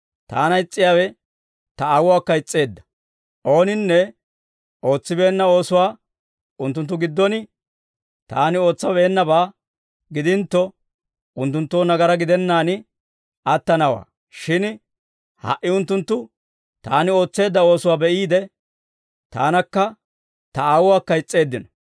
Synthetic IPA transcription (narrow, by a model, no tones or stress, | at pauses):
t̪a̰ːnɐɪt͡sʼːɪjaːwɛ | t̪ɐawʊwaːkːɐɪt͡sʼːe̞ːd̪ːɐ̥ | ʔo̞ːnɪnːɛ | o̞ːt͡sːɪbe̞ːnːɐo̞ːsʊwaː | ʊnt̪ːʊnt̪̬ːʊɡɪd̪ːɔnɪ | t̪aːnɪo̞ːt͡sːɐbeːnːɐbaː | ɡɪd̪ɪnt̪ːɔ | ʊnt̪ːʊnt̪ːoːnɐɡɐɾɐɡɪd̪ɛnːaːnɪ | ɐt̪ːɐnɐwa̰ː | ʃɪn | hɐ̰ʔːɪʊnt̪ːʊnt̪ːʊ | t̪aːnɪo̞ːt͡sːe̞ːd̪ːɐo̞ːsʊwaːbɛʔiːd̪ɛ | t̪a̰ːnɐkːɐ | t̪ɐaːwʊwaːkːɐɪt͡sʼːe̞ːd̪ːɪnɔ